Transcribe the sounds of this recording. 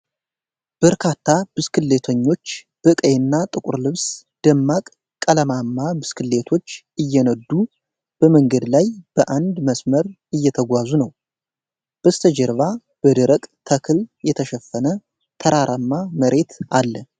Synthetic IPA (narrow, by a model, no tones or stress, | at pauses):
b̥əɾkʰat̪ʰːabɨskʰɨlːet̪ʰəɲːo̞t͡ʃː | b̥ɨkʼəjnːat̪ʼɨkʼuɾlɨβs | d̪̥əmːakʼ | kʼːələmamːabɨskʰɨlːet̪ʰo̞t͡ʃː | ɨjːɛnəd̪ːu | b̥əməŋɡəd̪lajb̥əʔand̪məsməɾ | ɨjːɛt̪ʰəɡʷazunəw | b̥əst̪ʰəd͡ʒɛɾβa | b̥əd̪ɨɾəkʼt̪ʰəkʰɨljɛt̪ʰəʃɛfːənə | t̪ʰəɾaɾʔamːaməɾʔe̞t̪alːə